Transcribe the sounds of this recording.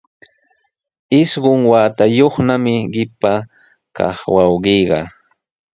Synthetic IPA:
ɪʃɢʊŋwaːt̪ajoχnamɪɢɪpa | kɑ̰χwɑwɢijɢɑ̰

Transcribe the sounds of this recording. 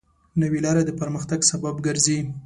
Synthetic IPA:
nəwilɑɾad̪əpəɾməxt̪aɡsababɡəɾzi

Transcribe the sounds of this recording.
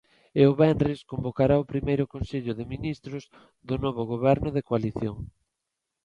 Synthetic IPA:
ɪʊβɛndrɪskombokaɾaʊpɾimejɾʊkõnseʎʊðɪminist̪ɾʊz | ðʊnɔβ̞ʊɣ̞oβɛɾnʊðekoaliθjoŋ

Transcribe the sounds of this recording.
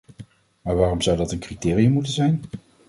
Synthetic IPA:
maːɹʋaːrɔmzʌwdɑtənkritɪːrijəmutənzɛjn

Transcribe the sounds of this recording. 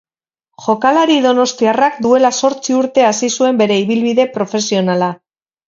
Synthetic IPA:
ʝo̞kalaɾiðo̞no̞st̪iarakd̪ue̞laso̞ɾt͡siuɾt̪e̞asisue̞mbe̞ɾe̞iβilβiðe̞pɾo̞fe̞sio̞nala

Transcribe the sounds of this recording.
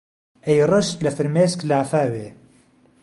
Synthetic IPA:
ʔejrˤɨʃt̪lɐfɨɾmeːsklaːfaːweː

